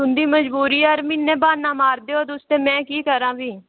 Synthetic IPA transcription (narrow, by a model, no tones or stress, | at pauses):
ʊnd̪iːməd͡ʒbuːɾiːəɾmɪnːẽːbaːnaːmaːɾd̪eːoːd̪ʊst̪eːmɛ̃ːkiːkəɾãːbiː